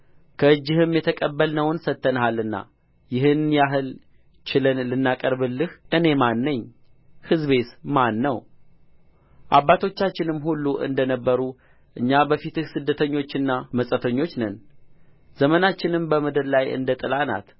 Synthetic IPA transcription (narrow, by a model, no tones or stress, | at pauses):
kʰəɨd͡ʒːɪhɨmjɛt̪ʰəkʼəbːəlnəwnsət̪ːənəɦalɨnːa̰ | jɪɦɨnjaɦɨl | t͡ʃɪlɨnlɨnːakʼəɾβɨlːɨhʔɨne̞manːəɲː | hɨzβe̞t̪manːəw | ʔaβːat̪ʰo̞t͡ʃːat͡ʃːɪnɨmhulːuʔɨ̰nd̪ənəbːəɾu | ʔɨɲːabəfit̪ɨhsɨd̪ːət̪ʰəɲːo̞t͡ʃːɨnːaməsʼət̪ʰəɲːo̞t͡ʃːnən | z̥əmənat͡ʃːɪnɨmbəməd̪əɾlajɨ̰nd̪ət̪ʼɨlana̰t̪